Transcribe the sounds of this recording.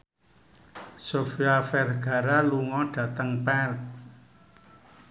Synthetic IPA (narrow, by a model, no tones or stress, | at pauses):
sofiafɛrɡ̥a̤ɾaluŋɔɖ̥ä̤t̪əŋpɛlt̪̚